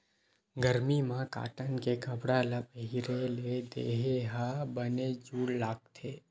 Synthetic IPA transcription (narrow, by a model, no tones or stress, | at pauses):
ɡəɾmimãka̰ːʈənkekəbɽalapəɦiɾeled̪ḛɦeɦabəned͡ʒuːɽlaːɡ̚t̪ʰeː